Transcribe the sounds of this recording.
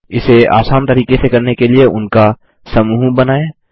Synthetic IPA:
ɪsea̰ːsaːnt̪ɐɾiːqesekɐɾnekelieʔʊ̰nka | sɐmuːbɐnaːeː

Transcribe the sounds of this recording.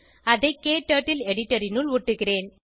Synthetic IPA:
ɐðɐɪkːeːʈːɐʈːɪlɛɽɪʈːɐɾɪnɯlʊʈːɯɣɪreːn

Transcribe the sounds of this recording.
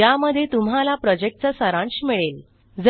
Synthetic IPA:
jaməd̪ʱjet̪umɦalapɾɔd͡ʑek̚ʈ̚t͡səsəɾãɳɕmiɭel | d͡z

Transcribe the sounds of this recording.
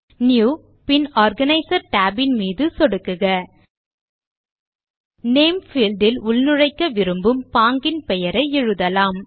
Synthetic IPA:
njuː | pɪnaːɾɡɐnɐɪsɐɾʈaːbɪnmiːðɯsɔɽɯkːɯɣɐ | neːmfiːlɖɪlʊlnɯɻɐɪkːɐʋɪɾɯmbɯmpaːŋɡɪnpɛjɐɾɐɪɛɻɯðɐlaːm

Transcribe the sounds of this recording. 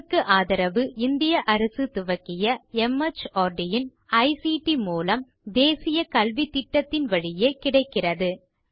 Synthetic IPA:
kːɯʔaːðɐɾɐʋɯɪnd̪ɪjɐʔɐɾɐsɯt̪ʊʋɐkːɪjɐɛmɐt͡ʃoːɾɖɪjɪn | ɐɪsiʈimuːlɐm | d̪eːsɪjɐkɐlʋit̪ːɪʈːɐt̪ːɪnʋɐɻɪjeːkɪɽɐɪkːɪrɐðɯ

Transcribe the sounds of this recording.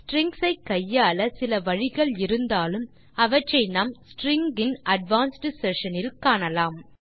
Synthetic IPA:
sʈɾɪŋɡsɐɪkːɐjːaːlɐsɪlɐʋɐɻɪɣɐɭɪɾɯnd̪aːlɯm | ɐʋɐt͡ʃːɐɪnamsʈɾɪŋɡɪnɐɖʋaːnsʈɪsɛʂɐnɪlkaːɳɐlaːm

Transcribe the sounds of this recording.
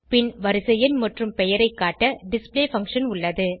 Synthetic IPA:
pɪnʋɐɾɯsɐjɐnmɐʈrɯmpɛjɐɾɐɪkːaːʈːɐɖɪspleːfɐŋkʂɐnʊɭːɐðɯ

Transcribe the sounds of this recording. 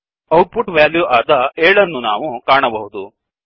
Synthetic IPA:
ɐwʈ̚puʈʋaːljuʔaːd̪ɐeːɭɐnːunaːʋukaːɳɐbɐɦud̪u

